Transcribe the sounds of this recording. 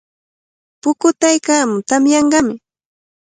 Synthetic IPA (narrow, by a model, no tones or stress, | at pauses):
pʊkʊt̪ajkaːmʊt̪amjɑɴɢɑmɪ